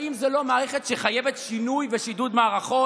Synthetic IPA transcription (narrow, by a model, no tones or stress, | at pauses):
imzelomaːʁeχetʃeχaje̞vet̪ʃinujveʃid̪ud̪maːʁaχo̞